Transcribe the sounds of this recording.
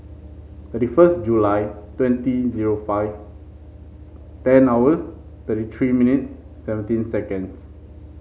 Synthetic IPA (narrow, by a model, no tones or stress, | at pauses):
t̪ətifəst̚d͡ʒulajtwɛ̃ntiziɹofaɪv | tɛ̃nawəs | t̪ətit̪ʰɹiminitsː | ɛvə̃ntĩnsɛkə̃ns